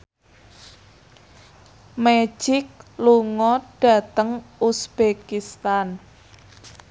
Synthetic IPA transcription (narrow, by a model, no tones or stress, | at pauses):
me̥d͡ʒ̥ɪk̚luŋɔɖ̥ä̤t̪əŋusb̥ekist̪an